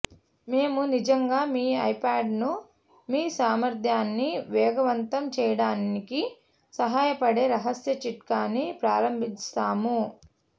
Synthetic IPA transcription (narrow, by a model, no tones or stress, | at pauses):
me̞ːmunid͡ʒɐŋɡaːmiːɐjpaːɖnu | miːsaːmɐɾd̪ʱjaːnːiʋɛːɡɐʋɐnt̪ɐmt͡ʃɛːjɐɽaːniki | sɐɦaːjɐpɐɽe̞ːɾɐɦɐsjɐt͡ʃiʈkaːnipɾaːɾɐmbʱint͡ʃt̪aːmu